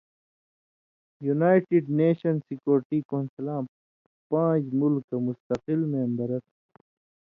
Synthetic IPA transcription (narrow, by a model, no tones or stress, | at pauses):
junaːjʈiɖneːɕɐnsikjoːɾʈiːkoːnsɐlãː | pãːd͡ʑmulkːɐmust̪ɐqilmẽɐmb̪ɐɾɐt̪